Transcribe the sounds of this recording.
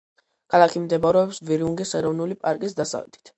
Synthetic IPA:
kʰalˠakʰimd̪ɛbaɾɛɔpsviɾiuŋɡisɛɾɔvnulipʼaɾkʼisd̪asa̰lɛt̪ʰi̥t̪ʰ

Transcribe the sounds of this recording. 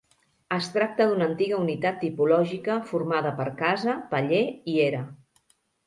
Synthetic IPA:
əst̪ɾak̚t̪əðunəːnt̪iɣəunit̪at̪ːipulɔʒikəfuɾmaðəpəɾkazəpəʎeieɾə

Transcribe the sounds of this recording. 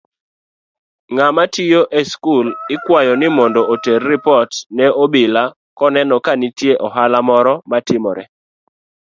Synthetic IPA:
ŋamatɪjoʔeskulɪkwajɔnɪmɔndɔʔoterːɪpɔtnɛobɪla | kɔnɛnɔkanɪtjeʔɔɦalamɔɾɔmatɪmɔɾɛ

